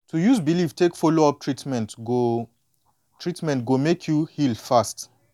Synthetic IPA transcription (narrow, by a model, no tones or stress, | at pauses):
tʰujuzbilivtʰekfoloɔp̚tʰɹitmɛ̃ntɡo | tʰɹitmɛ̃ntɡomekʰjuhilfast